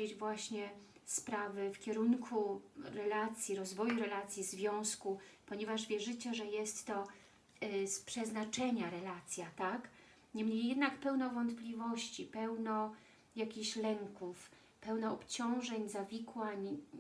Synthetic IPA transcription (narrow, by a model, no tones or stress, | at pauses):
ed͡ʑvwaɕɲɛspɾavɘfkʲɛɾunkʰuɾɛlat̪sʲjiɾɔzvɔjuɾɛlat̪sʲjizvʲjɔ̃w̃skupɔɲɛvaʐvʲjɛʐɘt͡ɕɛʐɛjɛst̪ːɔ | spʂɛznat͡ʂɛɲaɾɛlat̪sʲjat̪ak | ɲɛmɲejːɛd̪nakpɛwnɔvɔnt̪plʲivɔɕt͡ɕipɛwnɔ | jakʲiɕlɛŋkuf | pɛwnɔɔpt͡ɕɔ̃w̃ʐɛɲzavʲikwaɲ